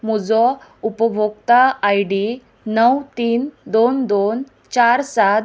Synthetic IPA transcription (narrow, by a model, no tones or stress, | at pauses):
mud͡zɔupəbʱoɡ̚t̪aːjɽi | nəwt̪iːnd̪ond̪on | t͡ɕaɾsa